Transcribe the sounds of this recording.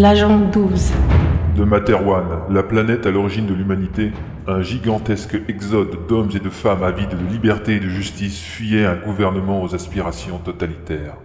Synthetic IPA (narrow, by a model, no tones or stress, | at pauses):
laʒɑ̃d̪uzd̪əmat̪ɛʁwanlaplanɛt̪alɔʁiʒind̪əlymanit̪e | ɛ̃ʒiɡɑ̃t̪ɛskɛɡzɔd̪ːɔmzed̪əfamavid̪əəlibɛʁt̪eːd̪əʒyst̪isfyjɛɛ̃ɡuvɛʁnəmɑ̃ozaspiʁasjɔ̃t̪ɔt̪alit̪ɛːʁ